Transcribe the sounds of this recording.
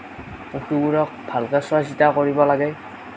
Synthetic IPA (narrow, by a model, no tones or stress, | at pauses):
puxʰubuɹɔk̚bʱalkɛswasitakɔɹibɔlaɡɛ